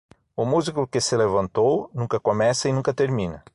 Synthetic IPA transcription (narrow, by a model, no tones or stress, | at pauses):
ʊmuzikʊkɪsɪlevɐ̃nt̪ownũkɐkomɛsɐɪnũkɐt̪eɾmĩnɐ̰